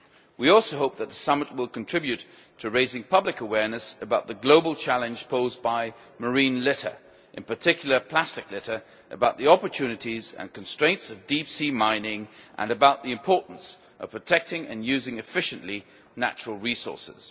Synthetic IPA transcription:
wiɔlˠsoʊɦoʊp̚ðɨt̪̚ðəsʌmət̚wɪlˠkn̩tʰɹ̥ɪbjʉtʰ | ɨɹeɪzɪ̃ŋpʰʌblɨkəwɛɹnɨsɨbaʊt̪̚ðɨɡloʊblˠt͡ʃʰælˠɨ̃nʒ̥pʰoʊzbaɪ | mə˞ĩnlɪɾə̰˞ | ʔɨ̃npə˞tʰɪkʰjl̩ˠə˞pʰl̥æstɨklɪɾə˞ | ʔɨbaʊt̪̚ðiɑpə˞tʰʉnɨɾizɨ̰̃nkn̩stɹ̥ẽɪ̃ntsʌvdipsimãɪ̃nɪ̃ŋʔə̰̃nɨbaʊt̪̚ðiɨ̃mpʰɔɹʔn̩s | ʔʌ̰v̥pʰɹ̥ətʰɛk̚tɪ̃ŋɨ̰̃njʉzɪ̃ŋɨfɪʃɨ̃nʔli | næ̰t͡ʃɹl̩ˠɹisɔ̰ɹsɪ̰z̥

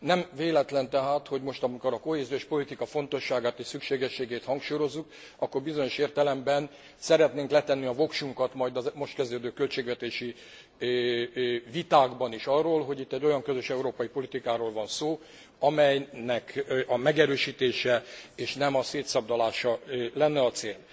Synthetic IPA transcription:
nɛmveːlɛt̪lɛnt̪ɛɦaːt̪ho̞ɟmo̞ʃt̪ɒmiko̞ɾɒko̞ɦeːzioʃpo̞lit̪ikɒfo̞n̪t̪o̞ʃːaːɡaːt̪eːʃsykʃeːɡɛʃːeːɡeːt̪hɒŋkʃuːjo̞zːuk | ɒkːorbizo̞ɲo̞ʃeːrt̪ɛlɛmbɛn | sɛɾɛt̪neːŋklɛt̪ɛnːiɒvo̞kʃuŋkɒt̪mɒjd̪ɒzmo̞ʃt̪̚kɛzd̪øːd̪øːkø̞lt͡ʃeːɡvɛt̪eːʃi | vit̪aːɡbɒniʃɒrːoːlɦo̞ɟit̪ːɛɟːo̞jɒŋkøzøʃɛuɾoːpɒjipo̞lit̪ikaːɾoːlvɒnsoː | ɒmɛjnɛkʔɒmɛɡɛɾøːʃiːt̪eːʃɛeːʃnɛmɒseːt̪sɒb̚d̪ɒlaːʃɒlɛnːɛɒt̪seːl

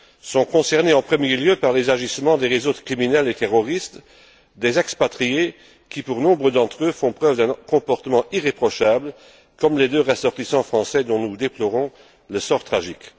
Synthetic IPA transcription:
sɔ̃kɔ̃sɛʁneɑ̃pχəmjeljøpaʁlezaʒismɑ̃d̪eʁezokχiminɛlet̪eʁɔʁist̪ | d̪ezɛkspat̪χie | kʲipuʁnɔ̃bʁəd̪ɑ̃t̪χøfɔ̃pχœvd̪ɛ̃kɔ̃pɔʁt̪əmɑ̃iʁepχɔʃabl | kɔmled̪øʁəsɔʁt̪isɑ̃fχɑ̃sɛd̪ɔ̃nud̪eplɔʁɔ̃ | ləsɔʁt̪χaʒik

